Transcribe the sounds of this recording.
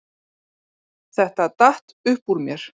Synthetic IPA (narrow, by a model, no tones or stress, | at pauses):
θɛht̪at̪aht̪ʏhpuɾmjɛɾ̥